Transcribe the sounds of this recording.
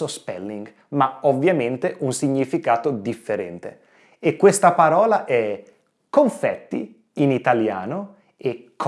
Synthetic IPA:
ospɛ̰lːiŋɡ | maovːjament̪eʔunsiɲːifikaːt̪od̪ifːeɾɛ̰nt̪ḛ | ekːwest̪apaɾɔːlaʔɛ | koɱfɛt̪ːḭ | init̪alja̰ːno | ekː

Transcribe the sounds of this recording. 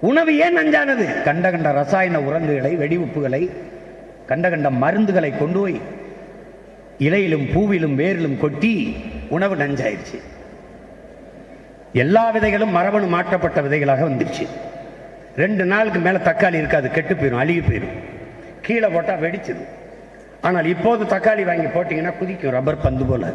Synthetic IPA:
ʊɳɐʋɯeːnɐɲd͡ʒaːnɐðɯkɐɳɖɐɣɐɳɖɐɾɐsaːjɐnɐʊɾɐŋɡɯɣɐɭɐɪʋɛɽɪʋʊpːɯɣɐɭɐɪ | kɐɳɖɐɣɐɳɖɐmɐɾɯnd̪ɯɣɐɭɐɪkːɔɳɖoːj | ɪlɐjɪlɯmpuːʋɪlɯmʋeːɾɪlɯmkɔʈːiʊɳɐʋɯnɐɲd͡ʒa̰ːjɪ̰ɾt͡ʃːɯ̰ | ɛlːaːʋɪðɐɪɣɐɭɯmːɐɾɐʋɐɳɯmːaːʈrɐpːɐʈːɐʋɪðɐɪɣɐɭaːɣɐʋɐnd̪ɪɾt͡ʃːɯ̰ | ɾɛɳɖɯnaːɭɯk̬ːɯmeːlɐt̪ɐkːaːɭiɪɾɯkːaːðɯkɛʈːɯpːeːɾɯ̃ɐɻɪɣɯpːḛːɾɯ̰̃ | kiːɭɐpoːʈːaːʋɛɽɪt͡ʃːɐðɯ̰ | aːnaːlɪpːoːðɯt̪ɐkːaːɭiʋaːŋɡipoːʈːiːŋɡɐnːaːkʊðɪkʲːʊ̃ɾɐbɐɾpɐnd̪ɯpoːla̰ːðɯ

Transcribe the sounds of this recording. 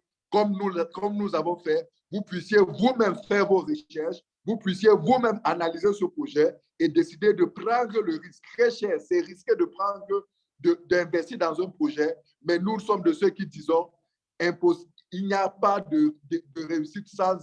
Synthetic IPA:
kɔmnukɔmnuzavɔ̃fɛ | vupɥisjevumɛmfɛʁvoʁəʃɛʁʃ | vupɥisjevumɛ̃manalizesəpχoʒɛ | ed̪esid̪ed̪əpχɑ̃d̪ʁələʁisk̚t̪χɛʃɛːʁsɛʁisked̪əpχɑ̃d̪ʁə | d̪əd̪ɛ̃vɛst̪iːʁd̪ɑ̃zɛ̃pχoʒɛ | mɛnusɔmd̪əsøkid̪izɔ̃ | ɛ̃pos | ilnijapad̪əd̪əd̪əʁeysit̪sɑ̃

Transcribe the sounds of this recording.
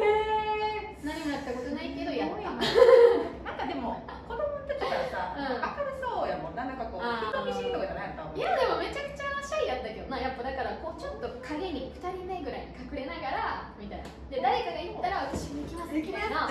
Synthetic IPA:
eː | naɲ̟imonakɯ̥t̪ːakot̪onaike̞d̪ojakːɯima | nãŋkad̪e̞moako̞d̪omɯt̪okʲikiasaɯ̟̃akamɯsoːjamõnːanãŋkakoːait̪omʲiit̪okad̪aɾaat̪ãjad̪e̞mo̞me̞t͡ɕakɯ̟̥t͡ɕaɕoijat̪ːaked̪onajapːad̪akaɾako̞ːt͡ɕo̞t̪ːo̞kʰaɡe̞ɲ̟ʲiɸɯ̟̥t̪aɾʲime̞ɡɯ̟ɾaiɲ̟ikakɯ̟ɾe̞naɡaɾamʲit̪ajnad̪e̞d̪aɾe̞kaɡajɯt̪ːaɾaβat̪aɕimoikʲimasekʲiasna

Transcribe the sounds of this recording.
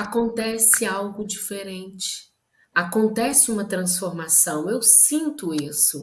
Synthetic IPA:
akõnt̪ɛsɪawɡʊd͡ʒifeɾẽnt͡ʃɪ̥ | akõnt̪ɛsɪũmɐt̪ɾɐ̃sfoɾmasɐ̃w̃ewsĩnt̪ʊisʊ

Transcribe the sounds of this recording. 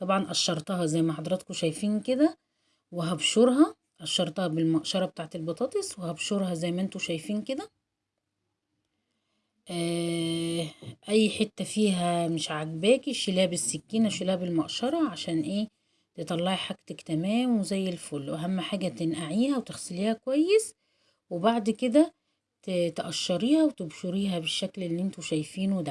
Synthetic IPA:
t̪ˤɑbʕɑnʔæʃːɑɾˤt̪ɑɦɑzæjːmæħɑd̪ˤɾˤɑt̪koʃæjfiːnked̪æ | weɦæbʃoɾɦɑ | ʔæʃːɑɾˤt̪ˤɑhɑbɪlmɑʔʃɑɾˤɑbet̪aːʕt̪elbɑt̪ˤɑːt̪ˤeswehæbʃoɾhɑzæjːmæʔent̪oʃæjfiːnked̪æ | ʔæː | ʔæjːħet̪ːæfiːɦæmeʃʕaɡbæːkiʃelæːæbesːekːiːnæʃelæːæbelmɑʔʃɑɾˤɑʕaʃæːnʔeː | t̪et̪ˤɑlːɑʕiħaɡt̪ækt̪æmæːmwezæjːelfolːwʔæɦæmːħaːɡæt̪enʔaʕiːhæwet̪exseliːhækowæjːes | webaʕd̪ked̪æ | t̪t̪ʔæʃːɑɾiːhæwet̪ebʃoɾiːɦæbeʃːæklelːiʔent̪oʃæjfiːnwd̪a

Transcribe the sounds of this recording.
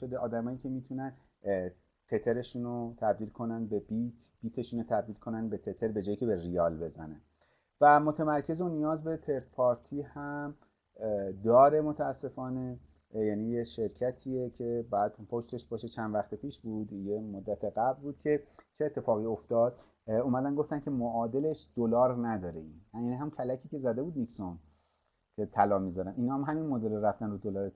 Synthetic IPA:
od̪eʔɒːd̪æmɒːjiːcʰʲe̞miːt̪ʰunæn | t̪ʰe̞t̪ʰe̞ɾe̞ʃuːnot̪ʰæbd̪iːlkʰo̞nænd̪̚be̞bit̪ʰb̥iːt̪ʰe̞ʃuːnot̪ʰæb̚d̪iːlkʰo̞nænd̪be̞t̪ʰe̞t̪ʰe̞ɾbe̞d͡ʒɒːjicʰebe̞rijɒːlbe̞zæ̰ne | væmo̞t̪ʰemæɾcʰe̞zonijɒːzbe̞t̪ʰe̞ɾt̪̚pʰɒːɾt̪ʰiːhæm | d̪ɒːɾe̞mo̞t̪ʰæːsːe̞fɒːne̞ | jæniːjeʃe̞ɾcʰæt̪ʰiːecʰe̞bɒjæd̪̥̚pʰo̞ʃt̪e̞ʃbɒːʃet͡ʃʰænd̪væxt̪epʰiːʃbuːd̪jemod̪ːæt̪ʰeɡæblbuːd̪̚cʰe̞t͡ʃʰeːt̪ʰːe̞fɒːɣiːo̞ft̪ɒːd̪̥̚ | uːmæd̪ænɡo̞ft̪æncʰʲe̞moɒːd̪e̞le̞ʃd̪̥olɒːɾnæd̪ɒːɾe̞injæːniɦæmuncʰælæcʰiːce̞zæd̪e̞buːd̪nikson | cʲʰe̞t̪ʰælɒːmizɒɾænʔiːnɒːmɦæminmod̪e̞loɾæft̪ænrud̪olɒːɾe

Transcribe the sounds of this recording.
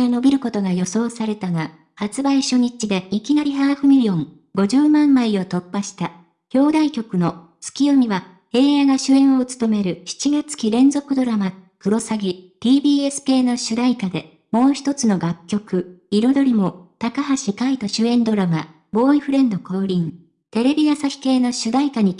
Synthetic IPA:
ano̞bʲiɾɯ̟ko̞t̪o̞ɡajo̞so̞ːsaɾe̞t̪aɡa | hat͡sɨbaiɕo̞ɲ̟it͡ɕid̪e̞ikʲinaɾʲiɦaːɸɯ̟mʲiɾʲiõ̞ŋ | ɡo̞ʑɨːmãmːaio̞t̪o̞pːaɕi̥t̪a | çʲo̞ːd̪aikʲo̞kɯ̟no̞ | t͡sɨ̥kʲijo̞mʲiβa | he̞ːjaɡaɕɨẽ̞ɰ̃o̞ɯt͡sɨ̥t̪o̞me̞ɾɯ̟ɕi̥t͡ɕiɡat͡sɨ̥kʲiɾẽ̞nd͡zo̞kɯ̟d̪o̞ɾamakɯ̟ɾo̞saɡʲit̪ʲiːbʲiːe̞sɨ̥kʲe̞ːno̞ɕɨd̪aikad̪e̞ | mo̞ːçi̥t̪o̞t͡sɨno̞ɡakʲːo̞kɯ̟iɾo̞d̪o̞ɾʲimo̞t̪akaɦaɕikait̪aɕɨẽ̞nd̪o̞ɾama̰ | bo̞ːiɸɯ̟ɾẽ̞nd̪o̞ko̞ːɾʲĩŋ | t̪e̞ɾe̞bʲijasaçʲi̥ke̞ːno̞ɕɨd̪aikaɲ̟i

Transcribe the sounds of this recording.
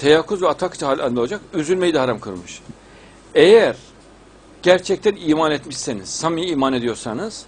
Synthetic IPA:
t̪ʰejakʰːuzvɛat̪ʰakt͡ʃʰhaːlʲalʲnoad͡ʒakyzylʲmejid̪aɦaɾamkʰɯɾmɯʃ | ejæɾ | ɟ̥æɾt͡ʃʰɛc̚t̪ʰæniːmanɛt̪miʃseniz̥samijiiːmaned̪ijo̞ɾsanɯz̥

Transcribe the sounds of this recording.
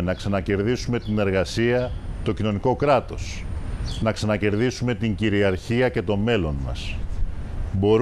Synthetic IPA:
nɐksɐnɐce̞ɾðisume̞t̪ine̞ɾɣɐsiɐt̪o̞cino̞niko̞kɾɐt̪o̞̰snɐksɐnɐce̞ɾðisume̞t̪iɲɟiɾiɐɾçiɐce̞t̪o̞me̞lo̞nmɐ̰s | bo̞ɾ

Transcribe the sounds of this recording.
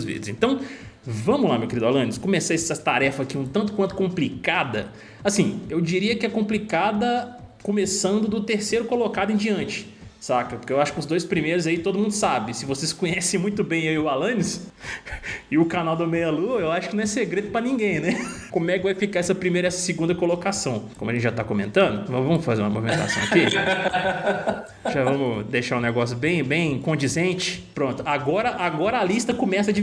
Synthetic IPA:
zvḭd̪zḛ̃nt̪ɐ̃w̃ | vɐ̃mʊla̰mewkeɾid̪a̰lɐ̃nɪskõmeseɛsɐt̪aɾɛfɐakiũt̪ɐ̃nt̪ʊkwɐ̃nt̪ʊ̥kõmplikad̪ɐ̰ | asĩewd͡ʒiɾiɐkɪɛkõmplikad̪ɐ | kõmesɐ̃nd̪ʊd̪ʊt̪eɾsejɾʊkolokad̪ʊẽj̃d͡ʒiɐ̃nt͡ʃɪ̥ | sakɐpoɾkewaʃʊ̥kɪʊzd̪ojspɾimejɾʊzait̪od̪ʊmũd̪ʊsabɪsɪvoseskõɲɛsẽj̃mũj̃t̪ʊbẽj̃eiʊalɐ̃nɪs | ɪʊkanawd̪ʊmejɐluɐewaʃʊkɪnɐ̃ɛseɡɾed̪ʊpɾɐnĩɡẽj̃nɛkõmʊɛkɪvajfikaɛsɐpɾimejɾɐɛsɐ̥sɪɡũnd̪ɐkolokasɐ̃w̃kõmʊɐʒẽt͡ʃɪʒat̪akomẽnt̪ɐ̃d̪ʊvɐ̃vɐ̃mʊfazeɾũɐmo̰vimẽt̪a̰sɐ̃w̃ɐki | ʒavɐ̃mʊd̪ejʃaɾũneɡɔsjʊbẽj̃bẽj̃kõnd͡ʒizẽnt͡ʃɪ̥pɾõnt̪ʊaɡɔɾɐʔaɡɔɾɐalist̪ɐkõmɛsɐd͡ʒɪ

